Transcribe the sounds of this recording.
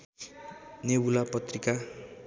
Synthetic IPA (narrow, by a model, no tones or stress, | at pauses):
nebulapʌt̪rika